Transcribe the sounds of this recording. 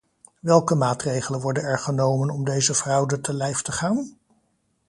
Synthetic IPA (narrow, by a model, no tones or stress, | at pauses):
ʋɛlˠkəmaːtrejχələnʋɔɹdənɛɹχənowmənɔmdejzəvrɑwdətəlɛjftəχaːn